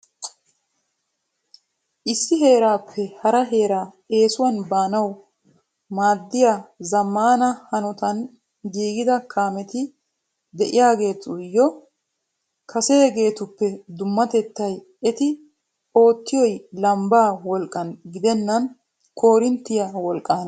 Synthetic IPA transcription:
ʔɪsːɪɦe̞ːɾaːpʰːɛhɐɾɐɦe̞ːɾaː | e̞ːsʊwɐnbaːnɐw | maːd̪ːɪjazɐmːaːnɐhɐnɔt̪ɐn | ɡiːɡɪd̪ɐkʰaːmɛt̪ɪ | d̪ɛʔɪjaːɡe̞ːt̪ʊjːɔ | kʰɐsɛjɛɡe̞ːt̪ʊpːɛd̪ʊmːɐt̪ɛt̪ːɐj | ɛt̪ɪ | o̞ːt̪ːɪjɔjlɐmbaːwɔlkʼːɐnɡɪd̪ɛnːɐn | kʰo̞ːɾɪnt̪ːɪjawɔlkʼːaːn

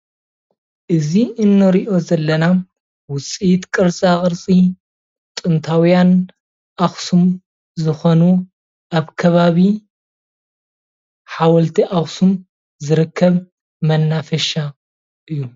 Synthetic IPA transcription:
ʔɨziʔɨnːɐɾiʔo̞zɐlːɐna | wʊt͡sʼit̪kʼɨɾsʼakʼɨɾt͡sʼi | t̪ʼɨnt̪ʰawjan | ʔaxsum | zɨxonu | ʔaβkʰɐβaβi | ħawɔlt̪ʰiʔaxsum | zɨɾɨkʰːɐβ | mɐnːafɐʃa | ʔɨjːu

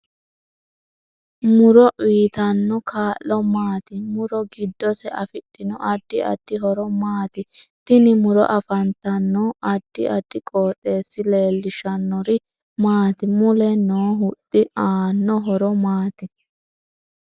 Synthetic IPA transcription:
mʊɾɔʔiːt̪ɐnːɔkʰaːʔɔmaːt̪ɪmʊɾɔɡɪd̪ːɔsɛɐfɪɗːɪnɔʔɐd̪̥ːɪɐ̰d̪̥ːɪɦɔɾɔmaːt̪ɪt̪ɪnɪmʊɾɔ̰ʔɐfɐnt̪ɐnːɔʔɐd̪̥ːɪ̰ɐd̪̥ːɪkʼoːt̪ʼːe̞ːsːɪle̞ːlːɪʃɐnːɔɾɪ | maːt̪ɪmʊlɛnoːɦʊt̪ʼːɪaːnːɔɦɔɾɔmaːt̪ɪ

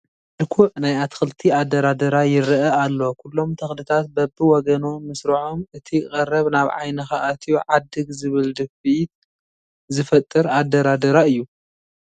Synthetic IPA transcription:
lɨkʰuʕnajat̪ʰxɨlt̪ʰiad̪ːɐɾad̪ɐɾajɪɾʔɐalːo̞kʰulːo̞mt̪ʰɐxlɨt̪ʰat̪̚bɐbɨwɔɡɐno̞mɨsɾɐʕomʔɨt̪ʰikʼɐrːɐβnaβʕa̰jnɐxaʔat̪ʰijuʕad̪ːɨɡzɨβɨld̪ɐfit̪̚ | zɨfɐt̪ʼːɨɾad̪ːɐɾad̪ɐɾaɨjːu

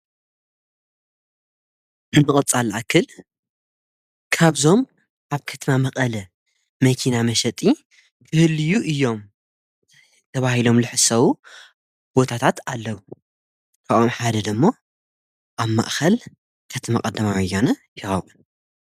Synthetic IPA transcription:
ɨnmɨkʼɨt͡sʼalʔakʰːɨl | kʰaβzo̞m | ʔaβkʰɐt̪ʰɐmamɐqʼɐlɐ | mɐkʰinamɐʃɐt̪ʼi | bʰɨhɨlɨjuʔɨjːo̞m | t̪ʰɐβahilo̞mlɨħɨsɐwu | b̥o̞t̪ʰat̪ʰat̪alːɐwu | k̪ʰaʔomħad̪ɐd̪ɨmːo̞ | ʔaβma̰ʔxɐl | kʰɐt̪ʰma̰kʼɐd̪ɐmawjːonɐjɪxɐwun

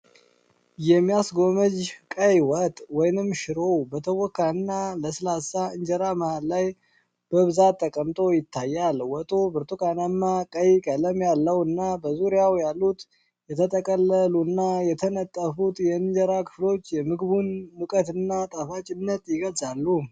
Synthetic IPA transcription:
jɛmːijasɡo̞məd͡ʒkʼəjwɔt̪ʼwɔjnɨmːʃɪɾo̞wbət̪ʰəwɔkːaɨnːaləsɨlasaɨɲd͡ʒəɾaməhallaj | b̥əβɨzat̪ʰːəkʼəmt̪ʼo̞jɪt̪ʰːajːalwɔt̪ʼobɨɾt̪ukʼanamːakʼəjkʼələmjalːəwɨnːabəzuɾijawjalːut̪ | jɛt̪ʰət̪ʼəkʼəlːəlunːajɛt̪ʰənət̪ʼːəfut̪jɛɨɲd͡ʒəɾakʰɨ̥flo̞t͡ʃːjɛmɨɡbunmukʼət̪ɨnːat̪ʼafat͡ʃʼɪnːət̪jɪɡəlzʼalːu

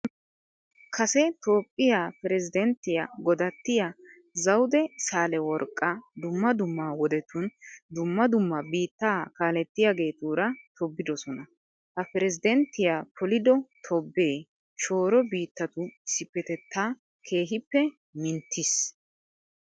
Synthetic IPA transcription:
kʰɐsɛt̪o̞ːpʼːɪjaːpɛɾɛzɪd̪ɛnt̪ːɪja̰ɡɔd̪ɐt̪ːɪja | zɐwd̪ɛsaːlɛwɔɾkʼːɐd̪ʊmːɐd̪ʊmːaːwɔd̪ɛt̪ʊnd̪ʊmːɐd̪ʊmːɐbiːt̪ːaːkaːlɛt̪ːɪjaɡe̞ːt̪uːɾɐt̪ʰɔbːɪd̪ɔsɔnɐ | hɐpɛɾɛzɪd̪ɛnt̪ːɪjaːpʰɔlɪd̪ɔt̪ʰɔbːe̞ː | ʃo̞ːɾɔbiːt̪ːɐt̪ʊɪsɪpːɛt̪ɛt̪ʰːaː | kʰe̞ːɦɪpːɛ | mɪnt̪ʰːɪs

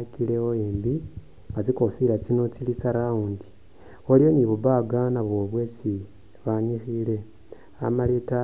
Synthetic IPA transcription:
akileoeːmbi | ŋɡat͡sikofilat͡sinot͡silit͡saɾaundi | olijoniβubaɡanaβwo̞βwe̞si | βaɲixile̞ | a̰maleta

